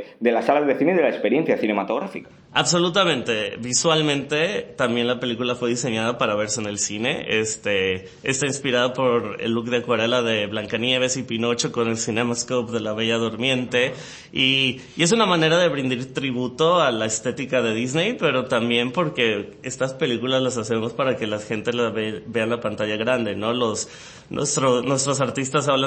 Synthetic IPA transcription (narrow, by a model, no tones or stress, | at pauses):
d̪e̞lasalazðeθineiðelaekspeɾje̞nθjaθinemat̪oɣ̞ɾafikḁ | a̰βso̞lut̪amẽ̞nt̪e̞βiswalmẽ̞nt̪e̞t̪ambje̞nlape̞likulafwe̞ðiseɲað̞apaɾaβ̞e̞ɾsene̞lsine̞̰est̪e̞ | est̪ainspiɾaðopo̞ɾḛlːukðeakwaɾe̞laðe̞βlaŋkanje̞β̞e̞sipino̞t͡ʃoko̞ne̞lsinemaskopðe̞laβe̞ʝaðo̞ɾmje̞nt̪e̞ | i | e̞s̬unamane̞ɾaðe̞βɾind̪iɾt̪ɾiβ̞ut̪o̞alae̞st̪e̞t̪ikaðe̞ðizne̞jpe̞ɾo̞t̪ambje̞mpo̞ɾke̞ | e̞st̪aspe̞likulazlasase̞mo̞spaɾake̞lasxe̞nt̪e̞zlaβeβe̞anlapant̪aʝaɣɾand̪e̞no̞lo̞s | nwḛst̪ɾonwe̞st̪ɾo̞s̬aɾt̪ist̪asaβla